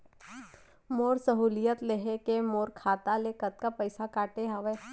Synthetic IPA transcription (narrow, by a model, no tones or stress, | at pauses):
moːɾsəɦuːlijət̪leɦekemoːɾkʰaːt̪alekət̪̚kapəɪsakaːʈeɦaʋe